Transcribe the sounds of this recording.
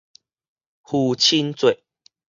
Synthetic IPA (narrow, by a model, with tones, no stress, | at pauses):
hu˨˩t͡ɕʰi˦nt͡swe˨ʔ